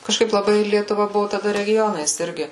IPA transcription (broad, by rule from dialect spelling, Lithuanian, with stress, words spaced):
kɐʃˈkɐɪp lˠɐˈbɐɪ lʲiɛtʊˈʋɐ ˈbʊʋʊ tɐˈdɐ rʲɛˈɡʲoːnɐɪs ˈɪrʲɡʲɪ